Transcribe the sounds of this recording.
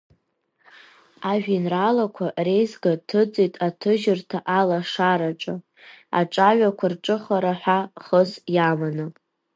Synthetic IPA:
aʒᶣinralakʷʰare̞jzɡatʰɨd͡zʼojtʼatʰɨʒɪrtʰaʔalaʂaɾaʈ͡ʂʼa | a̰ʈ͡ʂʼaɥʲʷᶣakʷʰarʈ͡ʂʼɨχaɾaħʷᶣaχəzjamanɨ

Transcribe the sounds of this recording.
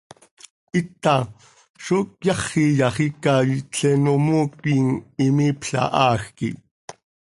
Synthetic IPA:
ʔit̪ɑ | ʃokjɑχːijɑχikɑt͡ɬɛnomuːkiŋimiːpɬɑ̰ʔɑːxkḭ

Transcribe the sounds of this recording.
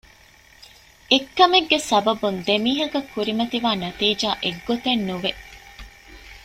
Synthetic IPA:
ekːɐmeɡːesɐbɐbund̪emiːɦɐkɐkːuɾimɐt̪iʋaːnɐt̪iːd͡ʒaːʔeɡːot̪enːuʋe

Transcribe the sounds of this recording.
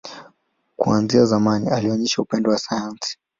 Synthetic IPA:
kuanziazamanialiɔɲɛʃaupɛndɔwasajansi̥

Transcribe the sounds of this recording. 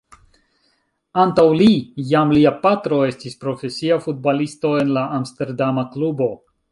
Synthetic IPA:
antawlijamliapatɾo̞e̞stispɾo̞fe̞siafut̚balisto̞e̞nlaʔːmste̞ɾdamaklubo̞

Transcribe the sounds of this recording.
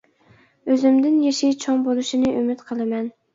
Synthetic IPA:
øzɪmd̪ɪnjeʃit͡ʃʰɑŋbolˠuʃinɨʔymɪt̪qʰəlˠɨmɛn

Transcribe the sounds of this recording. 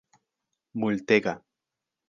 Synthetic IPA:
mult̪eɣa

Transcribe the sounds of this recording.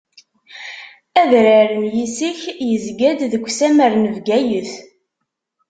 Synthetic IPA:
æðɾəɾənjisiçjəzɡæd̪ðəkʷːsæməɾnəvɡæjəθ

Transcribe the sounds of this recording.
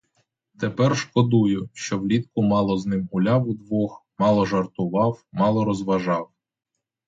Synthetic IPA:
t̪epɛrʃkɔd̪ujʊʃt͡ʃɔwlʲit̪kʊmɑlˠɔznɪmʊlʲɑwʊd̪ʋɔxmɑlˠɔʒɐrt̪ʊʋɑwmɑlˠɔɾɔzʋɐʒɑw

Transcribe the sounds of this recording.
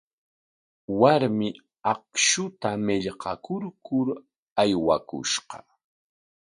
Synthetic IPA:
waɾmɪ | ɑk̚ʃʊt̪amɪʎqɑkʊɾkʊɾ | ajwakʊ̰ʃqɑ

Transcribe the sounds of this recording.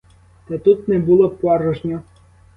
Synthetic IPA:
t̪ɛt̪ut̪nɛbulˠɔpɑɾɔʒnʲɔ

